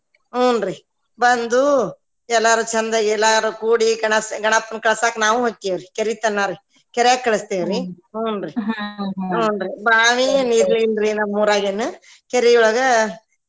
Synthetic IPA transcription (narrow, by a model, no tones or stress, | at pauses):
uːnɾi | bɐnd̪u | ɛlːaːɾut͡ʃɐnd̪ɐɛlːaːɾukuːɽiɡɐɳɐsɡɐɳɐpːɐnkɐɭɐsaːknaːʋuɦoɡkt̪eːʋɾikeɾit̪ɐnːaːɾi | kɛɾjaːkkːɐɭɐst̪eːʋɾi | uːnɾi | uːnɾibaːminiːɾliːnɾinɐmːuːɾaːɡenːu | keɾiuɭɐɡɐ